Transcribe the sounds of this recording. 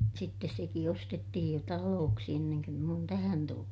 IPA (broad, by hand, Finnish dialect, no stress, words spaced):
sitːes seki ostetːihij jo tɑloːksi enːeŋ køm m oːn tæhæn tulːu